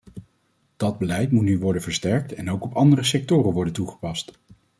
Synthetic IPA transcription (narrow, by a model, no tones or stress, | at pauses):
d̥ɑd̚bəlɛjtmutnyʋɔɹdənvəɹstɛɹk̚tɛnowkɔpɑndərəsɛk̚tʊːrənʋɔɹdəntuχə̥pɑst